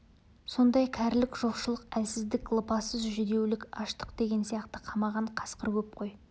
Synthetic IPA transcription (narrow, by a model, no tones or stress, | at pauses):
so̞nd̪ɑjkʲʰæɾlɪkʒ̥oqʃəlˠəqælsɪzd̪ɪklˠəpɑsəzʒʏd̪e̞wlɪkʲɑʃt̪ə̥qd̪e̞ɡʲe̞nsijɑqt̪əqʰɑmɑʁɑɴqʰɑ̥sqəɾwɵp̚qʰo̞j